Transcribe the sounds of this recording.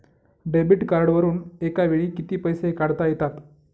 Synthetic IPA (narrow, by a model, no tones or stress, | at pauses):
ɖebiʈkaɾɽʋəɾuːnekaʋeɽ̃iːkit̪iːpəjsekaɽ̤t̪ajet̪at̪